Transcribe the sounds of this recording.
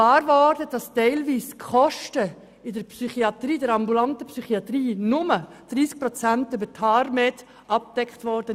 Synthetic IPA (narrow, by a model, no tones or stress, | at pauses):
lɑːɾʋɔɾd̥əd̥ɑstɛɪlʋiːskχɔʃtə | ɪdəɾpsyχiɑt̪ɾiːdɛɾɑmbulɑntəpsyχiɑt̪riːnʊməd̥ɾiːsk̚pɾɔt͡sæntʏbəɾtʰɑːɾmɛt | ɑp̚d̥ɛkχtʋɔɾd̥ə